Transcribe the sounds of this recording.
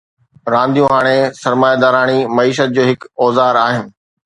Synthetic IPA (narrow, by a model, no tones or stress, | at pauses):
ɾãːnd̪ijũɦaːɽ̃esɐɾmaːjad̪aːɾaːɽ̃imɐiːʃət̪̚d͡ʑoːɦɪkɔːzaːɾaːɦɪnɪ̆